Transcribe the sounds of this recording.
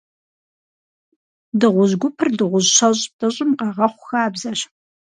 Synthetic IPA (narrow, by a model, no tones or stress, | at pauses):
dɨʁʷʊʑɡʷʊpʰɨrdɨʁʷʊʑɕɐɕʼp̚tʰɐɕʼɪmqɑʁɐχʷʊxaːbzɐɕ